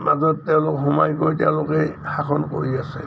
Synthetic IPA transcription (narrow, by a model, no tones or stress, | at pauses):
mazɔtːɛʊ̃lʊkɦumajɡojtɛʊ̃lʊkɛxaxʰɔnko̰ɹiasɛ̰